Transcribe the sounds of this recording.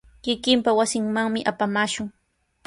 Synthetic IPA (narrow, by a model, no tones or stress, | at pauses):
kɪkɪmpawasɪŋmaŋmɪʔapamaːʃʊŋ